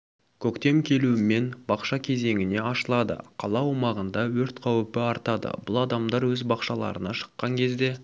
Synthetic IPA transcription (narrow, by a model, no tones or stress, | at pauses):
kʲʰɵkt̪e̞mkʲʰe̞luɪme̞nbɑqʃɑkʲʰe̞ze̞ŋʲɪne̞ɑʃəlˠɑd̪ə̰qʰɑlˠɑwumɑʁənd̪ɑwɵɾt̪qʰɑwpɪɑɾt̪ɑd̪ə̰bʊlˠɑd̪ɑmd̪ɑɾwɵzbɑqʃɑlˠɑ̰ɾənɑʃə̥qːɑŋkʲʰe̞zd̪e̞